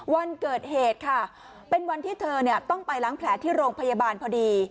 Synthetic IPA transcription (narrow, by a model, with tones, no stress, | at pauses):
wa˧nkɤː˨˩t̪̚heː˨˩t̪̚kʰa˥˩ | pe˧nwa˧nt̪ʰiː˥˩t̪ʰɤː˧ni˥˩ɐt̪ɔ˥˩ŋpa˧jla˦˥ŋpʰlɛː˩˦t̪ʰiː˥˩ɾoː˧ŋpʰa˧ja˧baː˧npʰɔ˧diː˧